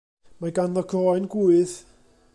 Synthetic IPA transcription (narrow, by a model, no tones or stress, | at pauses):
maɡanɔkʰɔːjnɡuɨð